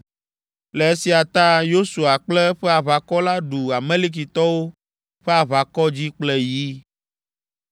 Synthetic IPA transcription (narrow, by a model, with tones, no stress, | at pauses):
le˨e˦si˨a˨t̪a˦jo˦su˨a˨k͡plɛ˦ɸɛ˦a˨βa˨kɔ˦la˦ɖu˨a˨mẽ˦li˦k̬i˨t̪ɔ˦wo˦ | ɸɛ˦a˨βa˨kɔ˦d͡ʑi˦k͡plɛ˦ji˦